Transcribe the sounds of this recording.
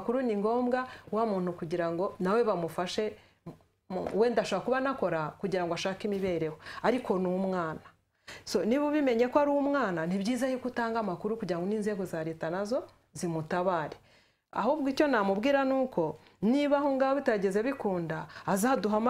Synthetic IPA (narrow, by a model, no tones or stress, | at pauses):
kuɾuniŋɡo̞ːmɡawamuːn̥hukuɟiɾaŋɡo̞nawe̞βamufaʃe̞ | we̞ːndaʃoβakuβanako̞ɾakuɟiɾaŋɡoaʃaːkimiβe̞ɾe̞hoaɾiko̞numŋaːna | so̞niβuβime̞ɲe̞kaɾuumŋaːnaniβɟiːzajukutaːŋɡamakuɾukuɟiɾaŋɡo̞niːnze̞ɡozaɾeːtanazo̞ | zimutaβaːɾe | a̰hoβɡico̞namubɡiːɾanuːko̞ | niβaɦo̞ŋɡahoβitaɟeze̞βikuːndaːzaduɦam